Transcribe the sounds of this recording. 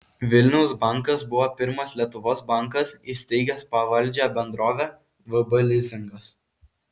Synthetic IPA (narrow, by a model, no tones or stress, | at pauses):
ʋʲɪlʲnʲɛʊsbɐˑŋˑkɐsbʊʋoːpʲɪɾmɐslʲiɛt̪ʊʋoːsbɐˑŋˑkɐsiːsʲt̪ʲɛɪɡʲɛspɐʋɐlʲˑd͡ʒʲɛbʲɛnd̪ɾoːʋʲɛː | ʋɐbɐlʲɪzʲɪŋɡɐs